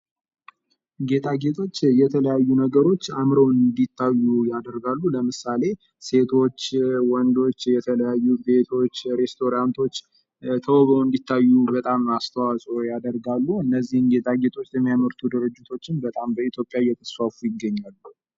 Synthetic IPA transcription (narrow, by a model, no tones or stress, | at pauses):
ɡe̞t̪ʰʼaɡe̞t̪ʰʼo̞t͡ʃːjɛt̪ʰələjajːunəɡəɾo̞t͡ʃːamɾəwɨnd̪it̪ʰːajːujad̪əɾɡalːuləmɨsale̞ | se̞t̪ʰo̞t͡ʃːwɔnd̪o̞t͡ʃːjɛt̪ʰələjajːube̞t̪ʰo̞t͡ʃːɾe̞st̪ʰo̞ɾant̪ʰo̞t͡ʃː | t̪ʰəwβəwɨnd̪it̪ʰːajːubət̪ʼamast̪ʰəwasʼojad̪əɾɡalːuɨnːəzːihɨnɡe̞t̪ʼaɡe̞t̪ʰo̞t͡ʃːjɛmːijaməɾt̪ʰud̪ɨɾɨd͡ʒːɨt̪ʰo̞t͡ʃːɪnbət̪ʼambəit̪ʰjo̞pʼjajɛt̪ʰə̥sfafujɪɡːəɲːalːu